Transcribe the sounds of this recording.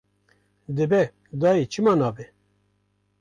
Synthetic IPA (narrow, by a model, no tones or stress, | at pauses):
d̪ɨbɛ | d̪ɑːit͡ʃʰɨmɑːnɑːbe